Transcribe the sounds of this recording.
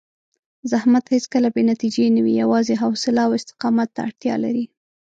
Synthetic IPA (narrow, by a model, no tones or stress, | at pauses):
zahmat̪het͡skəlabenat̪id͡ʒenawijawɑzeɦawsɪlaawɪst̪ɪ̥qɑmat̪ːaaɽt̪jɑ̰la̰ɾi